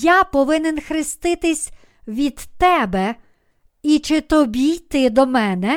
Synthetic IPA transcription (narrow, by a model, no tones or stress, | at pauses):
japɔʋɪnɪnxɾɪst̪ɪt̪ɪsʲ | ʋʲid̪t̪ɛbɛ | it͡ʃɪt̪ɔbʲijt̪ɪd̪ɔmɛnɛ